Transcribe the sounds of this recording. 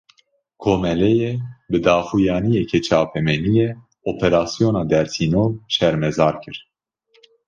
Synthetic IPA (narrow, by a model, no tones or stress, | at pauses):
kʰoːmɛlɛjebɨd̪ɑːxujɑːnijɛkʰɛt͡ʃʰɑːpʰɛmɛnijɛ | oːpʰɛɾɑːsijoːnɑːd̪ɛɾsiːnoːlʃɛɾmɛzɑːɾkʰɨɾ